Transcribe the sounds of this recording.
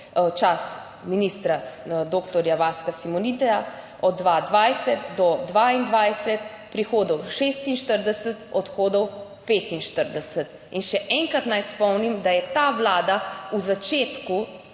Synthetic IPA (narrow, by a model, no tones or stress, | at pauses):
t͡ʃas | miniːst̪ɾad̪oːkt̪ɔɾjaʋaːskasimɔnit̪ɛja | ɔd̪ːʋaːd̪ʋajsɛt̪d̪ɔd̪ʋaind̪ʋajsɛt̪ | pɾixoːd̪ɔwʃeːst̪inʃt̪əɾd̪ɛsət̪ɔt̪xoːd̪ɔw | peːt̪inʃt̪əɾd̪ɛsət̪ | inʃɛʔɛŋkɾat̪najspɔwnimd̪ajɛt̪aːʋlaːd̪auzat͡ʃeːt̪ku